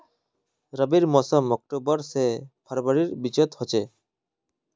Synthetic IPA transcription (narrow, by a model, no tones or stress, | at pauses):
ɾəbiɾmɔsɔmɔk̚ʈobɔɾsebʰaɾbaɾiɾbit͡ʃt̪hɔt͡ʃe